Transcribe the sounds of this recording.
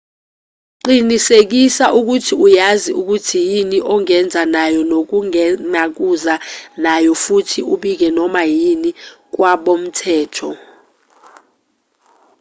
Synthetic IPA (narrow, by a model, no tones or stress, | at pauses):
ǃinisek̬isaʔuk̬utʰiujaziuk̬utʰijiniʔɔŋɛnd͡zʱanajɔnok̬uŋɛnak̬uzanajɔfutʰiuɓik̬ɛnɔmajinik̬waɓom̩tʰɛːtʰɔ